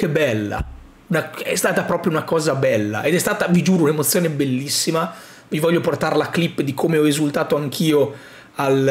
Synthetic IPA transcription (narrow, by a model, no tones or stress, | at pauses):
kebːɛlːa̰ | unaɛ̰st̪aːt̪apɾɔːpɾjounakɔːzabɛlːa̰ʔed̪ɛst̪aːt̪avid͡ʒuːɾounemot̪sːjoːnebelːisːima | mivɔʎːoport̪aɾlaklipːd̪ikʰomeɔezult̪aːt̪oaŋkʰiːo | al